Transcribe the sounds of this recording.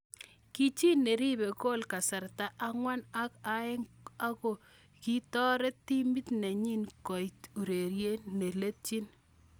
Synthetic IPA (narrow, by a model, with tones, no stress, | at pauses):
ki˦t͡ʃi˦ne˨ɾi˦be˨ko˦lka˨sa˨rta˦ʔa˦ŋwa˦na˦ka˦e˦ŋa˦ko˨ | ki˦tɔ˦ɾe˦tːi˦mi˦tnɛ˨ɲi˦nkɔ˨jtu˨ɾe˨ɾje˦ne˨le˦t̚t͡ʃi˦n